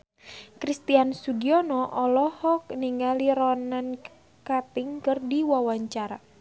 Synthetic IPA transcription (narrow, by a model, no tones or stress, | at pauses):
kɾist̪iansuɡiɔnɔʔɔlɔhɔk̚niŋɡaliɾɔnan | kat̪ɪŋkɨrdiwawaɲt͡ʃaɾa